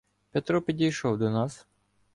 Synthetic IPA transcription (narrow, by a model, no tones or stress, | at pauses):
pʲɛt̪ɾɔpʲidʲijʃɔwd̪ɔnɑs